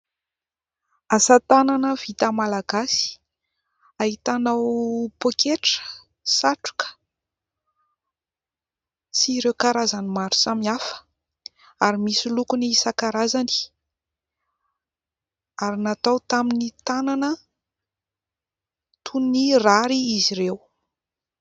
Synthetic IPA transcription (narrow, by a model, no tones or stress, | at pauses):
asat̪ananəv̥it̪amalaɡasi̥ | aɦit̪anawpokeʈ͡ʂə̥ | saʈ͡ʂu̥kə̥ | siɾewkaɾazanimaɾu̥samiafə̥ | aɾimisilukuniisakaɾazani̥ | aɾinat̪awt̪aminit̪ananə | t̪ʰunniraɾiiziɾew